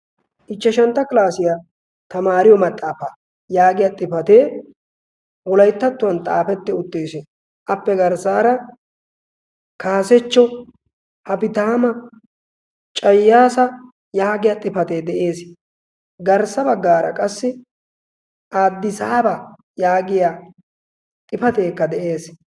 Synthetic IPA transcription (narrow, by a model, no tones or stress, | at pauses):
ʔɪt͡ʃːɛʃɐnt̪ːɐkɪlaːsɪja | t̪ɐmaːɾɪjɔmɐt̪ʼːaːfaː | jaːɡɪjat̪ʼɪfɐt̪eː | wɔlɐjt̪ːɐt̪ːʊwɐnt̪ʼa̰ːfɛt̪ːɪʊt̪ːeːsɪ | ʔɐpːɛɡɐɾsaːɾɐ | kaːsɛt͡ʃːɔ | hɐpɪt̪aːmɐ | t͡ʃʼɐjːaːsɐ | jaːɡɪjat̪ʼɪfɐt̪e̞ːd̪ɛʔeːs | ɡɐɾsɐbɐɡːaːɾɐ̰kʼɐsːɪ | ʔaːd̪ːɪsaːba | jaːɡɪja | t̪ʼɪfɐt̪e̞ːkːɐd̪ɛʔeːs